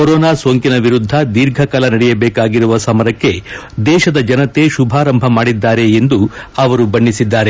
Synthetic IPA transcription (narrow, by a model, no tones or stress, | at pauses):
koɾɔːnaːsoːŋkinɐʋiɾud̪ʱːɐd̪iɾɡʱɐkɐlɐnɐɽɛjɐbɛːkaːɡiɾuʋɐsɐmɐɾɐkːe̞ | d̪ɛːʃɐd̪ɐd͡ʒɐnɐt̪e̞ʃubʱaːɾɐmbʱɐmaːɽid̪ːaːɾe̞ːnd̪u | ɐʋɐɾubɐɳːisid̪ːaːɾe̞